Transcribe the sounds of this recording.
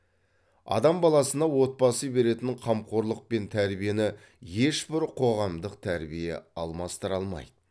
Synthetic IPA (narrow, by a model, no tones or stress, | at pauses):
ɑ̰d̪ɑmbɑlˠɑsənɑwo̞t̪̚pɑsəbe̞ɾe̞t̪ɪɴqʰɑmqʰo̞ɾlˠəq̚pe̞nt̪ʰæɾbije̞nɪ | je̞ʃbɪɾqʰo̞ʁɑmd̪əqt̪ʰæɾbijḛɑlˠmɑst̪əɾɑlˠmɑ̰jd̪̥ə